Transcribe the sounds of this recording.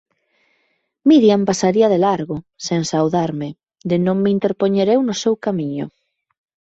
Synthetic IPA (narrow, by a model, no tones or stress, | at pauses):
miðjampasaɾiɐðelaɾɣoseŋsawðaɾmɪ | d̪ɪnõŋmeint̪eɾpoɲeɾewnʊsewkamiɲʊ̰